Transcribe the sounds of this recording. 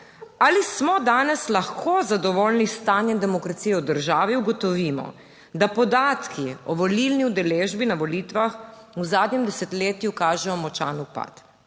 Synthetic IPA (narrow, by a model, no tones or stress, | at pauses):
alismɔd̪aːnɛslaxkʰoːzad̪ɔʋɔlnist̪aːnjɛnd̪ɛmɔkɾat̪sijɛud̪əɾʒaːʋiuɡɔt̪ɔʋiːmɔ̰ | d̪apɔd̪aːt̪kiɔʋɔlilniud̪ɛleːʒbinaʋɔliːt̪ʋax | uzaːd̪nɲɛmd̪ɛsɛt̪leːt̪jukaːʒɛjɔmɔt͡ʃa̰nupa̰t̪